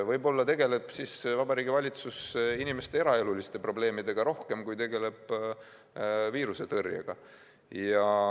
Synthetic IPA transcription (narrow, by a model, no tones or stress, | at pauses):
vɤjbo̞lːɑt̪e̞ɡ̥e̞le̞b̥sisvɑbɑɾiːɡivɑlʲit̪susinime̞st̪ee̞ɾɑe̞lulist̪e̞pro̞ble̞ːmid̪e̞ɡ̥ɑɾo̞hke̞mkujt̪e̞ɡe̞le̞b̥ | viːɾuse̞t̪ɤrjɑ̰ɡ̥ɑ̰ | jɑ